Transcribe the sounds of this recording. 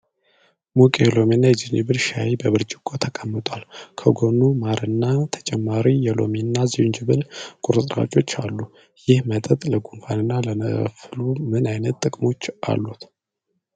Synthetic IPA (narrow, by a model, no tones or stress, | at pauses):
mukʼelo̞menːajɛd͡ʒinɨβɨlʃajibəβɨɾd͡ʒɪkʼːot̪ʰəkʼəmːɨt̪ʼwalkʰəɡo̞nːumaɾɨnːat̪ʰə̥t͡ʃʼɛmːaɾijɛlo̞̰menːaznd͡ʒɨβɨlkʼuɾɨt̪ʼɾa̰t͡ʃʼo̞t͡ʃːalːu | jɪhmət̪ʼət̪ʼləɡunfanɨnːalənə̰flumɨnajnət̪ːʼɨkʼmo̞t͡ʃːʔa̰lːut̪